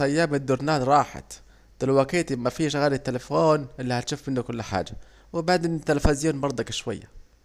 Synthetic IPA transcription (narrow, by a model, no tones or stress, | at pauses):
æjːaːmɪd̪ːʊɾnaːnɾˤɑːħa̰t̪ | d̪̥ɪlwakeːt̪mafiːʃɣaːlit̪ːɪlafoːnʔɪlːihæt̪ʃuːfmɪnːʊkʊlːħa̰ːd͡ʒa | wɪbaʕd̪eːnt̪ːalfazjuːnbɑɾˤd̪ˤɑkʃwa̰jːa̰